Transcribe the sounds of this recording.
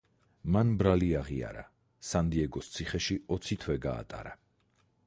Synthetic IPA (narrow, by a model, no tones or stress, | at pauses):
manbɾaliaʁia̰ɾa | sand̪iɛɡɔst̪sʰiχɛʃiɔt̪sʰit̪ʰwɛɡa̰ːt̪ʼa̰ɾa